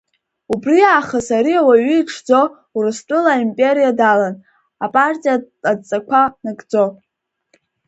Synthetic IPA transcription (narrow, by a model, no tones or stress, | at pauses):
ubriaːχəsaɾiawaɥiːʈ͡ʂʰd͡zo̞ | urɨstʷʼɨlaimpʼe̞ɾijadalan | apʼartʼija | at͡sʼakʷʰanɨkʼd͡zo̞